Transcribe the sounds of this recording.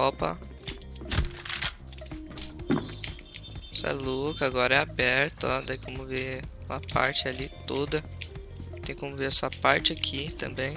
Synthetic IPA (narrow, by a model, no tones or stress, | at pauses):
ɔpɐ̰ | sa̰lokɐaɡɔɾɛabɛɾt̪ʊat̪ẽj̃kõmʊve | la̰pa̰ɾt͡ʃɪalit̪od̪ɐ | t̪ẽj̃kõmʊveɾɐsuɐpaɾt͡ʃɪakʰit̪ɐ̰̃mbẽj̃